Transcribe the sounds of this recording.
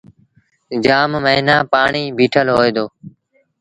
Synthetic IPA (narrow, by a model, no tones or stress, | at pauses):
d͡ʒaːmməɦɪnaːpaːɳiːbʱiːʈʰəlɦoːeːd̪oː